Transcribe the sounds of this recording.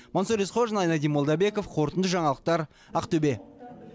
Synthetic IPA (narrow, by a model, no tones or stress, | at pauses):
monsoɾesqʰoʒənɑjnɑd̪ijmolˠd̪ɑbe̞ko̞fqʰoɾt̪ənd̪əʒɑɴɑlˠəq̚t̪ɑɾ | ɑqt̪ɵbe̞